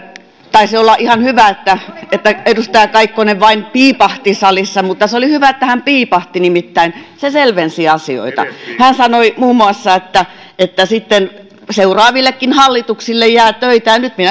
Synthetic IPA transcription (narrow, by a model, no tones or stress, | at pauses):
t̪ɑisiolːɑʔihɑnhyʋæet̪ːæet̪ːæedust̪ɑjɑkɑikːoneʋʋɑinpiːpɑht̪isɑlisːɑmut̪ːɑseolihyʋæet̪ːæhæmpiːpɑht̪inimit̪ːæinseselʋensiɑsio̰it̪ɑ̰hænsɑnoimuːmːuɑsːɑet̪ːæ | et̪ːæsit̪ːen | seurɑːʋilːekːinhɑlːit̪uksilːejjæːt̪øit̪æjɑnnyt̪minæ